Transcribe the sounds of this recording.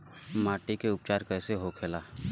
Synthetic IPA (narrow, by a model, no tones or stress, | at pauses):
maːʈikeʊp̚t͡ʃaːɾkɛːseɦokʰeːlaː